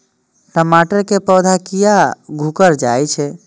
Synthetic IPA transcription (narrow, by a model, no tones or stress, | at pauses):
ɾəmaʈəɾkepəwd̪ʱakijaɡʱukəɾd͡ʒajt͡ʃʰɛ